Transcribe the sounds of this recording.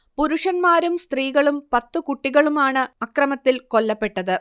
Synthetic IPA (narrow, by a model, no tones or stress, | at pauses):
puɾuʂɐnmaːɾumst̪riːɣɐɭumpɐt̪ːɨkuʈːiɣɐɭumaːɳɨɐkrɐmɐt̪ːilko̞lːɐpːe̞ʈːɐðɨ